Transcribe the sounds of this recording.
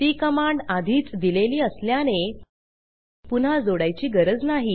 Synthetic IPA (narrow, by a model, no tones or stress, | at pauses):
t̪iːkəmaɳɖad̪ʱiːt͡sd̪ileliːəsljane | pun̤ad͡zoɽajt͡ɕiːɡəɾəd͡znaɦi